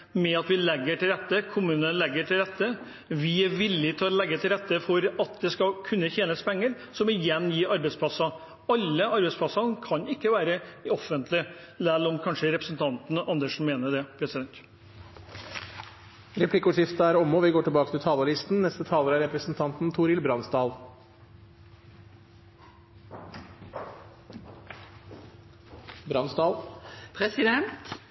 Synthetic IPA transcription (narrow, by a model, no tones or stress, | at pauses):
mɛɑt̪ʋɪlɛɡːəʈʰɪlɾɛt̪ːəkʰʊmʉːnənlɛɡːəʈʰɪlɾɛt̪ːə | ʋɪæɾʋɪlːɪt̪ʰɪlɔlɛɡːət̪ʰɪlɾɛt̪ːəfɔɾɑt̪̚d̪ɛskɑkʰʉnːəçeːnəspʰɛŋːəɾ | sɔmɪjɛnːjiːɑɾbɛspʰlɑsːɑ | ɑlːəɑɾbɛɪspʰlɑsɑnkʰɑnɪkːəʋæːɾəɔfːənt̪ʰlɪ | lælɔmkʰɑnʂəɾɛpɾəsn̩t̪ʰɑnt̪n̩ɑnd̪əʂn̩meːnəɖ̪ɛpʰɾɛsɪd̪ɛnt̪ | ɾɛpʰlɪkːəʊːʂɪft̪əæɾɔmɔʋɪɡoːʈɪlbɑːkət̪ʰɪlt̪ʰɑːləlɪst̪n̩nɛst̪ət̪ʰɑːləɾæɾɛpɾəsn̩t̪ʰɑnt̪n̩t̪ʰuɾɪlbɾɑnsd̪ɑːl | bɾɑnsd̪ɑːlpʰɾɛsɪd̪ɛnt̪